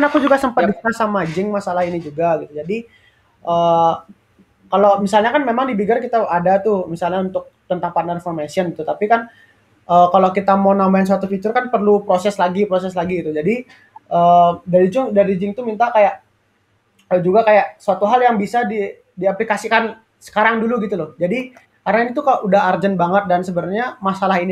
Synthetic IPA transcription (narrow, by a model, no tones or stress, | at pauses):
knakud͡ʒuɡasəmpat̪̚biasamad͡ʒɪŋmasalahinid͡ʒuɡaɡit̪ud͡ʒadi | ʔəː | kalomisalɲakanmemaŋdibiɡarkit̪aadat̪ʊmisalɲaunt̪ʊk̚t̪ənt̪aŋpanarfɔmesiɔnɡit̪ut̪apikan | əkalokit̪amownambaɪns̬uat̪ufit͡ʃʊrkanpərlupɾosɛslaɡipɾosɛslaɡiːt̪ud͡ʒadi | ədaɾid͡ʒɪŋdaɾid͡ʒɪŋt̪umint̪akajaʔ | əd͡ʒuɡakajaʔsəat̪uɦaljaŋbisadi | diaplikasikan | sə̥kaɾaŋduluɡit̪ulʊhd͡ʒadi | kaɾnainit̪ukaʔudaɦard͡ʒənbaŋət̪̚dansəbəɾarɲamasalaɦin